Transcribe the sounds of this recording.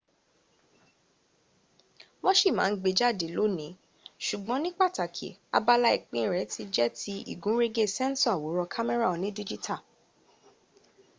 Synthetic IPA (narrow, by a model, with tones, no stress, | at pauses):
wɔ̃˦ʃi˦˨mãː˨˦n̩˦ɡ͡be˧d͡ʒa˦˨de˨lo˨˦nĩ˨˦ | ʃu˨ɡ͡bɔ̃˨˦nĩ˦k͡pa˦˨ta˨kʰḛ˨a̰˧ba˧la˦i˦˨k͡pĩ˦˨ɾɛ˨˦ti˧d͡ʒɛ˦ti˧ḭ˦˨ɡũ˨˦ɾe˦ɡe˦sɛ˦n˦sɔ˦a˨wo˨˦ɾɔ˧kʰa˦mɛ˦ɾa˦˨o˨nĩ˦di˦d͡ʒi˦ta˦˨